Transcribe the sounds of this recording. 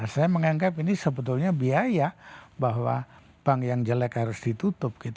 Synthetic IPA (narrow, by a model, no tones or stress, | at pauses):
sajaməŋaŋɡapinisəbət̪ʊlɲabiajabaɦwa̰ | paŋjaŋd͡ʒəlɛkhaɾʊsdit̪ut̪ʊp̚kit̪